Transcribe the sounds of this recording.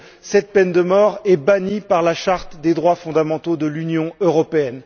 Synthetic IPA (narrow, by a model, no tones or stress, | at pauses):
sɛt̪̚pɛnd̪əmɔʁɛbanipaʁlaʃaʁt̪d̪ed̪ʁwafɔ̃d̪amɑ̃t̪od̪əlynjɔ̃øʁɔpeɛn